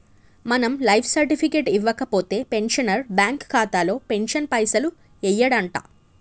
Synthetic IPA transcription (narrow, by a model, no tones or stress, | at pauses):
mɐnɐmlɐjpʰsɐɾʈipʰikeːʈiʋːɐkɐpo̞ːt̪e̞ːpe̞nʂɐnɐɾbjaːŋkʰːaːt̪aːlo̞ːpe̞nʂɐnpɐjsɐlu | ɛjːɐɽɐɳʈa̰ː